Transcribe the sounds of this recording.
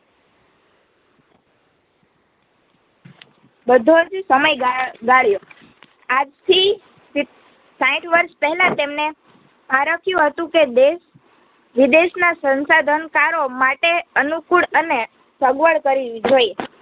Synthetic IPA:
bəd̪ʱoəd͡ʒusəməjɡɡaɭjo | ad͡ʒt̪ʰi | sãĩʈʰʋəɾʃpəɦɛlat̪emne | maɾəkʰjũɦət̪ũked̪eʃ | ʋid̪eʃnasənsad̪ʱənkaɾomaʈeənukuɭəne | səɡʋəɭkəɾid͡ʒoje

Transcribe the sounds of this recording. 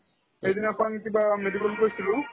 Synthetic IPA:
ejzinkaŋet̪ibamedikɔlkoisilʊ

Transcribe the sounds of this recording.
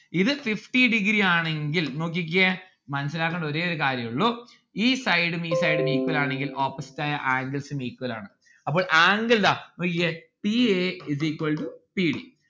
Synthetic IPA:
iðɨfifʈiɖiɡɾiaːɳe̞ŋɡilno̞ːk̬ːik̬ʲːɐ | mɐnɐsɐlaːkːɐɳɖɐo̞ɾeːoɾukaːɾjɐmuɭːoː | iːsɐjɽɨmiːsɐjɽɨmiːkuwɐlaːɳe̞ŋɡilo̞ːpːɐsi̥tːaːjɐʔaːŋɡɐlsɨmiːkːuwɐla̰ːɳɨ | ɐpːo̞ːɭʔaːŋɡɐld̪aːno̞ːkːikːɐpiezikɐlɖupiːɽḭ

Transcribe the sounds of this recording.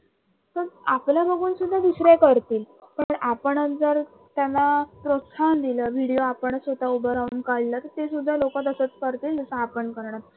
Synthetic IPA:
t̪əɾapljabəɡʱuːnsud̪ʱːaʋisɾekəɾt̪iːl | pəɳapəɳəd͡zəɾ | t̪janapɾot̪sand̪iləʋiɽijoapəɳsʋəd̪ʱaubəɾauːnkallat̪əɾt̪esud̪ʱːalokat̪əsət͡skəɾt̪iːld͡zəsə̃apəɳkəɾɳat̪

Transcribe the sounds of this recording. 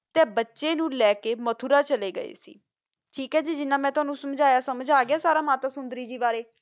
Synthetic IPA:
t̪eːbətːʃeːnũːlɛːkeːmət̪ʰuɾaːt͡ʃəleːɡə̰ḛːsḭː | ʈʰiːkɦɛːd͡ʒiːd͡ʒɪnːãːmɛ̃ːt̪ʊaːnũːsəmd͡ʒaːjaːsəməd͡ʒaːɡɪaːsaːɾaːmaːt̪aːsʊnd̪ɾiːd͡ʒiːbaːɾeː

